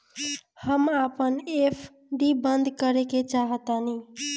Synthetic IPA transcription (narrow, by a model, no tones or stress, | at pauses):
həmapənepʰ | ɖibənd̪ʱkəɾeket͡ʃaɦət̪əni